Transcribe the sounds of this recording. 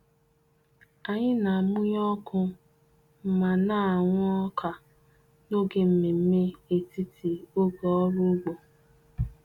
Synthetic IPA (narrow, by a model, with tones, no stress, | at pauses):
a˨ɲɪ˦na˨a˨mu˦ɲ˦ɔ˦kʰʊ˦ | m̩˨ma˨na˦˨ŋʷ˦ɔ˦kʰa˨ | no˦ɡe˦m̩˨me˨m̩˦me˦e˨ti˦tʰi˨o˦ɡo˨ɔ˦ɾu˦ɡ͡bo˨